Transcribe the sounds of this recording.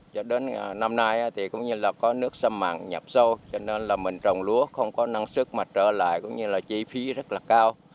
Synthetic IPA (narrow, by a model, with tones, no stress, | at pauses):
t͡ɕɔ˧ɗe˨˦nː˨˩na˧mnaː˧jʔaː˨˦t̪ʰi˨˩kʊ̰˧˥wŋ͡mɲɨ˧laː˨˩kɔ˨˦nɨ˦˥ək̚sə˧mma̰ː˧˨ŋɲa˨˩p̚sə˧wt͡ɕɔ˧ne˧nlaː˨˩mï˨˩ŋ̟t͡ɕə˨˩wŋ͡mlu˨˦əxə˧wŋ͡mkɔ˨˦na˧ŋsɨ˦˥k̚maː˨˩t͡ɕəː˧˩la̰ː˧˨jkʊ̰˧˥wŋ͡mɲɨ˧laː˨˩t͡ɕi˧fi˨˦zə˦˥t̚laː˨˩kaː˧w